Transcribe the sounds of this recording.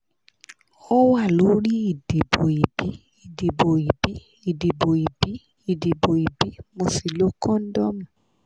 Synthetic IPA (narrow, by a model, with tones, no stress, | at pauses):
ɔ˦wa˦˨lo˨˦ɾi˦i˦˨de˨bo˨i˨bi˨˦ | i˨de˨bo˨i˨bi˨˦ | i˨de˨bo˨i˨bi˨˦ | i˨de˨bo˨i˨bi˨˦mõ˧˨si˨lo˨˦kɔ̃˦n̩˦dɔ˦mũ˨